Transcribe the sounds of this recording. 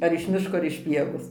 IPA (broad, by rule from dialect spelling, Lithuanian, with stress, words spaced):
ɐr ɪʃ ˈmʲɪʃkoː ɐr ɪʃ ˈpʲiɛʋoːs